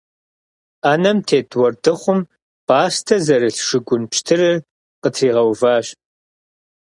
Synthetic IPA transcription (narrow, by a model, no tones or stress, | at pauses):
aːnɐmtʰeːtwɔrdɨχʷʊm | b̥aːstʰɐzɐɾɨɬʂɨɡʷʊnpʃtʰɨrɨr | qətʰriːʁɐwvaːɕ